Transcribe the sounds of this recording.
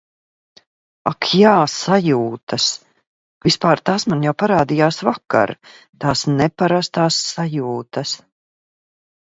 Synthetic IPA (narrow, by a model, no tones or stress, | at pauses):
akʰjaːsajuːt̪as | vispaːɾt̪aːsmanjawpaɾaːd̪ijaːsvaka̰ɾ | t̪aːsnɛpaɾast̪aːsːajuːt̪ɐs